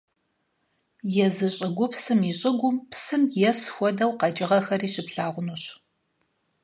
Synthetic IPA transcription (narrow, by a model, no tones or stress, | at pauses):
jɛzɨɕʼɪɡʷʊpsɨmiɕʼɪɡʷʊmpsɨmjɛsxʷɔdɐwqɐd͡ʒʼɪʁɐxɐriːɕɪpɬaːʁʷʊnuɕ